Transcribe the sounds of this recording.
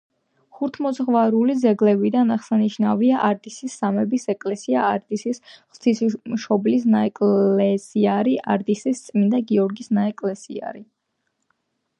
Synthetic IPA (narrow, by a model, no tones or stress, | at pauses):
χuɾt̪ʰmɔzʁvaɾulid̪zɛɡlɛbid̪anaχsaniʃnaviaʔaɾd̪isisːamɛbisɛkʼlɛsiaːɾd̪isisχt̪ʰisimʃɔblis̬naɛkʼɛsiaɾiʔa̰ɾd̪isist̪sʼmind̪aɡiɔɾɡisnaɛkʼlɛsḭa̰ɾi